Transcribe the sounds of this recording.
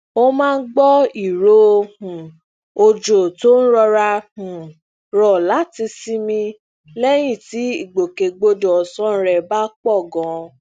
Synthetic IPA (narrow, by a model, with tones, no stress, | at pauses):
o˦mãː˦˧n̩˦ɡ͡bɔ˦i˨ɾo˦˧hũ˨ | o˧d͡ʒo˨to˦n̩˦ɾɔ˧ɾa˧hũ˨ | ɾɔ˨la˨˦ti˧si˦mĩ˧ | lɛ˦j̃ĩ˦˨ti˨˦i˦˨ɡ͡bo˨ke˨ɡ͡bo˧dɔ˨ɔ˨sɔ̃˦n̩˦˧ɾɛ˦˨ba˦k͡pɔ˦˨ɡɔ̃˨˦